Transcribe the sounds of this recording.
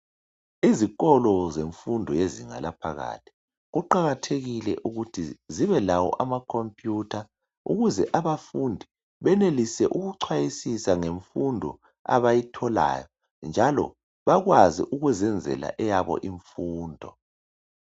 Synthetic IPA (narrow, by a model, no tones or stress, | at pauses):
izikɔlɔzeɱfundʱɔjeziŋa̰lapʰaɣa̰ːtʰi̥ | ɣuǃaɣatʰeɣilɛ̰ʔuɣutʰiziβɛlawɔ̰ʔamakʰompʼjutʰa | ṵɣuzɛʔaβafundʱi | βɛnelisɛʔuɣuǀʰwajisisaŋeɱfundʱɔ̰ | a̰βajitʰɔla̰ːjɔ | nd͡ʒʱalɔ̰ | βaɣwazḭʔuɣuzɛnd͡zʱɛ̰la̰ʔɛjaβɔ̰ʔiɱfuːndʱɔ